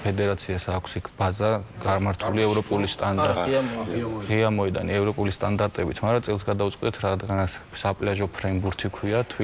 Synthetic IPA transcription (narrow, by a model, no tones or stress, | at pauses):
pʰɛd̪ɛɾat̪sʰiasaːkʷʰsikʰb̥azaɡaɾmaɾt̪ʰuliɛvɾɔpʼulist̪ʼand̪ | ʁiamɔɛd̪a̰niɛvɾɔpʼulist̪ʼand̪aɾt̪ʼɛbit̪ʰmaɾat̪sʼɛlˠsɡad̪aut̪sʼqʼid̪ɛt̪ʰɾad̪ɡanat̪ssapʼlaʒɔpʰɾɛmbuɾt̪ʰikʰwiat̪ʰi